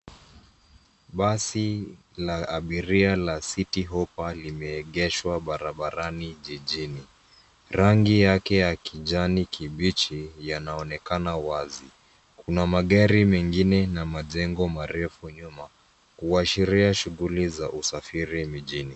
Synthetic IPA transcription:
ɓasi | laaɓiɾialasitiɦɔpalimɛːɠɛʃwaɓaɾaɓaɾaniʄiʄini | ɾaŋɡijakɛjakiʄanikiɓit͡ʃijanaɔnɛkanawazi | kunamaɠaɾimɛŋɡinɛnamaʄɛŋɡɔmaɾɛfuɲuma | kuaʃiɾiaʃuɣulizaʔusafiɾim̩ʄini

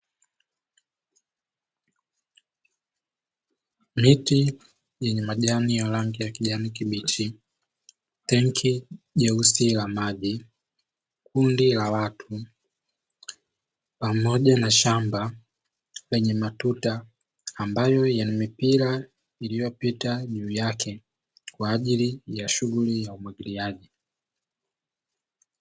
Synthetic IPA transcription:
miti | jɛɲɛmaʄanijalaŋɡijakiʄanikiɓit͡ʃi | tɛŋkʰiʄɛusilamaʄi | kundilawatʰu | pamɔʄanaʃamba | lɛɲɛmatutaː | mbajɔjanimipiɾa | ilijɔpitaʄuːjakʰɛ | kwaːʄilijaʃuɡulijaumwiɡiliaʄi

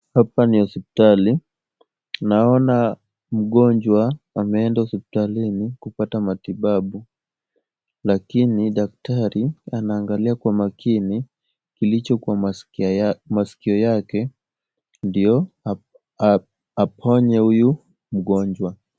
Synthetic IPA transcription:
hapanijɔsɛpi̥tali | naɔna | m̩ɠɔɲd͡ʒwa | amɛɛndausɛpi̥talinikupatamatiɓaɓu | lakiniɗak̚taɾianaːŋɡaliakwamakʰini | kilit͡ʃɔkwa | masi̥kiɔjakɛ | ndijɔ | pʰɔɲɛhuju | m̩ɠɔɲd͡ʒwa

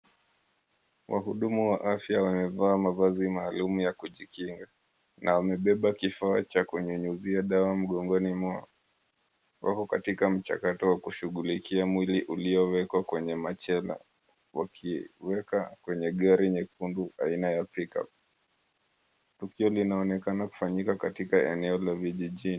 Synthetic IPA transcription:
wʔa̰ɦuɗumuwaʔafjawamɛvaːmavazimaːlumujakuʄikiŋɡa | nʔawamɛɓɛɓakifaːt͡ʃakuɲuɲuziaɗawam̩ɠɔŋɡɔnima | wʔa̰kɔkatikam̩t͡ʃa̰katɔwakuʃuɠulikiamwiliʔuliɔwɛkwakwɛɲɛmat͡ʃɛla̰ | wa̰kʰiwɛkakwɛɲɛɠaɾiɲɛkunduʔa̰inajapika̰p̚ | tukiɔlinaɔnɛkanaku̥faɲikakatikaɛnɛɔlaviʄiʄin

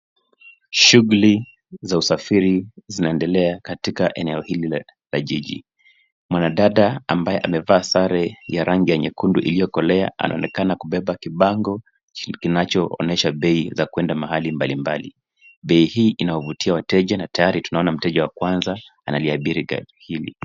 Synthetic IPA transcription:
ʃuɣuli | zausafiɾizinaɛndɛlɛakatikaʔɛnɛɔhili | laʄiʄḭ | mwanaɗaɗaambajɛʔamɛvaːsaɾɛjaɾaŋɡijaɲɛkunduʔḭlijɔkɔlɛaʔa̰nʔa̰ɔnɛkanakuɓɛɓakiɓaŋɡɔ | kinat͡ʃɔɔ̰nɛʃaɓɛizakuwɛndamahalimbalimba̰lḭ | ɓɛihiːʔinawɔvutiawatɛʄanatajaɾitunaɔnam̩tɛʄawakwanzaːnaliaɓiɾiɡa̰hilḭ

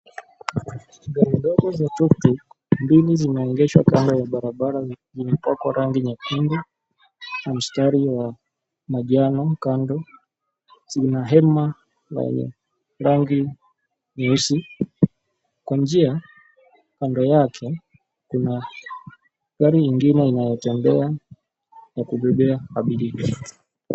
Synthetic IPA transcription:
ɡaɾindɔɡɔzatuktu | mbilizimɛɔŋɡɛʃwa̰kandɔjaɓaɾaɓaɾazimɛpwakwaɾaŋɡiɲakindɛ | nam̩staɾiwa | maʄanɔkandɔ | z̥inaɦɛma | wɛ̰ɲɛ̰ | ɾaŋɡi | ɲausi | kwand͡ʒia | kandɔjakʰɛ | kuna | ɡaɾiiŋɡinɛinajɔtɛmbɛa | jakuɓɛɓɛakaɓilik

